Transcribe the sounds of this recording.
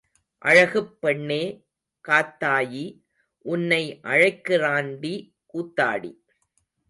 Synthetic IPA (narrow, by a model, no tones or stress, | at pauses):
ʔɐ̰ɻɐɣɯpːɛɳːeː | kaːt̪ːaːji | ʔʊnːɐɪʔɐɻɐɪkːɯɾaːnɖi | kuːt̪ːa̰ːɽḭ